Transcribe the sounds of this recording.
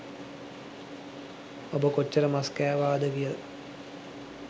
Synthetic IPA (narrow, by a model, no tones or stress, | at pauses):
obəkot͡ʃːəɾəmaskæːʋaːd̪əkijələ